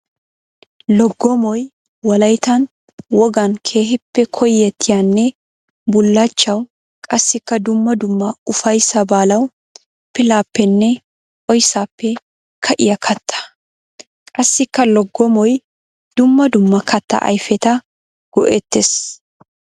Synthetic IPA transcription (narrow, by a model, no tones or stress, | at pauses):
lɔɡːɔmɔj | wɐlɐjt̪ɐn | wɔɡɐnkʰe̞ːɦɪpːɛkʰɔjːɛt̪ʰːɪjaːnːɛ | bʊlːaːt͡ʃːɐw | kʼɐsːɪkːɐd̪ʊmːɐd̪ʊmːɐʊfɐjsɐbaːlɐw | pɪlaːpːɛnːɛ | ʔʼɔjsaːpːɛ | kʰɐʔɪjɐkʰɐt̪ːɐ̥ | kʼɐsːɪkːɐlɔɡːɔmɔj | d̪̥ʊmːɐd̪ʊmːɐkɐt̪ːɐ̰ʔɐ̰jfɛt̪ɐ | ɡ̥ɔʔɛt̪ːes